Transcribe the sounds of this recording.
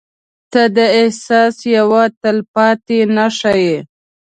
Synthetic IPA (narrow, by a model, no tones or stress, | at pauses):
t̪ad̪əɪhsɑsjawat̪əlpɑt̪enaʂaje